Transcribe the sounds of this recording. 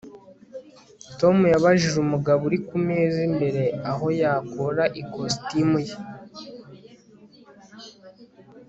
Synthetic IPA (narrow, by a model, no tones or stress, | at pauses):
to̞mujaβaʒiʒumuɡaβuɾikumeːzimbe̞ɾe̞aɦo̞jaːkoɾaʔikostimuje